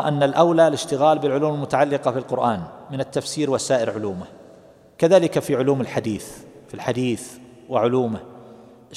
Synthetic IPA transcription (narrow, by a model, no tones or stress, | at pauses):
ʔanːalʔawlalɪʃt̪ɪɣaːlbɪlʕʊluːmɪlmʊt̪aʕalːɪqɑfilqʊɾʔaːnmɪnat̪ːafsiːɾwasaːʔɪɾʕʊluːmɪ | kaðaːlɪkafiʕʊluːmɪlħad̪iːθfilħad̪iːθ | wɪʕʊluːmɪ